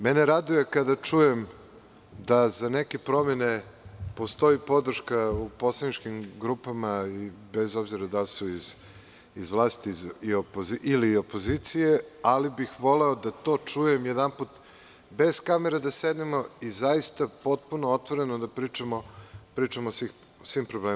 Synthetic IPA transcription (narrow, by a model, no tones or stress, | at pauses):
mɛneɾad̪uje̞kad̪at͡ʂujem | d̪azaneke̞pɾo̞mene̞po̞st̪o̞ipo̞d̪r̩ʃkauposlˠanit͡ʃkimɡɾupamaibezo̞bziɾad̪alsuiz | izʋlˠaːst̪iiopozilio̞po̞zit̪sije̞alibixʋo̞leo̞d̪at̪o̞ːt͡ʂuje̞mjed̪amput̪ | be̞z̥kameɾed̪ased̪nemo̞izajist̪apo̞t̪̚punoot̪ʋoɾe̞nod̪apɾit͡ʃamopɾiːt͡ʂamosix | sʋimpɾobleː